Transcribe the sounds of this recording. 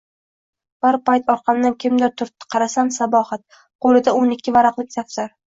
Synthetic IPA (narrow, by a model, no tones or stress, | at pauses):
b̥aɾpajt̪ʰɒɾqʰɑmd̪ankʲʰɪmd̪ɪɾt̪ʰʊɾt̪ːqʰɑɾasansabɒhat̪̚ | qʰolɪd̪aonɪkʲʰːɪvaɾɑqlˠɪkʲt̪ʰafsaɾ